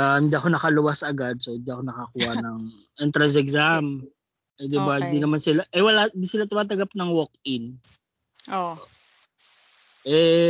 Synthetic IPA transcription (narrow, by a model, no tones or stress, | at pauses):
ahɪnd̪iʔɐko̞nɐkɐlʊwasɐɡad̪̚soɪnd̪iʔɐko̞nɐkakuːhɐʔnɐŋ | ʔɛnt̪ɾɐns̬ɛɡzam | ʔɛd̪ɪbahɪnd̪inɐmansɪlaʔɛwɐlaɪnd̪isɪlat̪ʊmaːt̪̬ɐɡap̚nɐŋwok̚ɪn | ʔo | ʔɛ